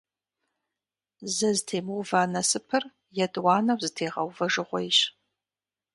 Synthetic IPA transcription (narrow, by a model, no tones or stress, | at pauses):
zɐzɨtʰeːmɨwvaːnɐsɨpʰɨr | jɛdwɑːnɐwzɨtʰeːʁɐ̰wvɐʒɨʁʷɔjɪɕ